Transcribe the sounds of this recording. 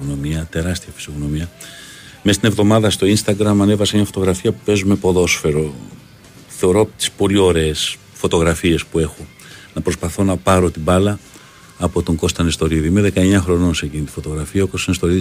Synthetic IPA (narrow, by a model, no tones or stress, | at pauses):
ɣno̞miɐt̪e̞ɾɐst̪iɐfi̥soɣno̞miɐ | mst̪ine̞vðo̞mɐðɐst̪o̞inst̪ɐɡɾɐmɐne̞vɐsemɲɐfot̪o̞ɣɾɐfiɐpupe̞zume̞po̞ðo̞sfe̞ɾo̞ | θe̞o̞ɾo̞ɐpot̪i̥spo̞lio̞ɾe̞ːs | fo̞t̪o̞ɣɾɐfie̞spue̞xo̞ | nɐpɾo̞spɐθo̞nɐpɐɾo̞t̪ibɐlɐː | po̞t̪o̞ŋɡo̞st̪ɐnest̪o̞ɾiðiime̞ðe̞kɐe̞ɲɐxɾo̞no̞nseɟinit̪i̥fo̞t̪o̞ɣɾɐfiɐoko̞st̪nest̪o̞ɾið